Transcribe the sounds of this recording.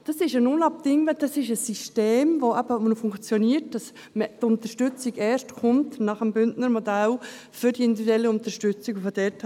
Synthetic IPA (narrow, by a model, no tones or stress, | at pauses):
d̥ɑsɪʃənʊnlɑp̚d̥ɪŋəd̥ɑsɪʃəsːiʃteːmʋoʔæb̥əmnfʊŋkt͡sjɔniːəɾt̚d̥ɑs | mətʊnt̪əʃtʏt͡siɡɛːʃtχʊmtnɑχəmbʏndnəɾmɔdæl | fʏɾd̥iɪnd̪ividɛlːəʊnt̪əɾʃtʏt͡sikofɔd̥ɛt